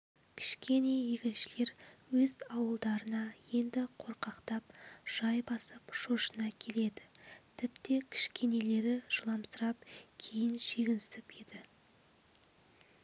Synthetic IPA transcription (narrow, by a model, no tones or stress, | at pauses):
kʲʰɪ̥ʃkʲʰe̞ne̞jeɡʲɪlʃɪle̞ɾwɵzɑwəlˠd̪ɑɾənɑje̞nd̪ɪqʰo̞ɾqɑqt̪ɑpʒ̥ɑjbɑsəpʃoʃənɑkʲʰe̞le̞d̪ɪt̪ʰɪpt̪e̞kʲʰɪ̥ʃkʲe̞ne̞le̞ɾɪʒ̥əlˠɑmsəɾɑp̚kʲʰejɪnʃe̞ɡʲɪnsɪped̪ɪ